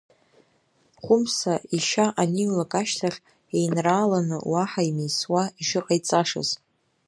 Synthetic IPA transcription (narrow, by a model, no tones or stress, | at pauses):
χʷʊmsaʔiʃaʔaniulakʼaʃtʰaχʲ | ejnraːlanɨ̰waħaimejswaiʂɨqʼajt͡sʼaʂa̰z